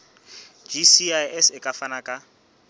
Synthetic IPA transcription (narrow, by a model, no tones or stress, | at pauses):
d͡ʒisiajɛsɪkʼafanakʼa